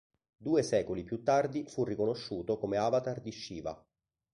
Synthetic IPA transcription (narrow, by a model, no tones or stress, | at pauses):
d̪uːesɛːkolipjut̪ːard̪ifurːikonoʃːuːt̪okomeavat̪ard̪iʃːiːva̰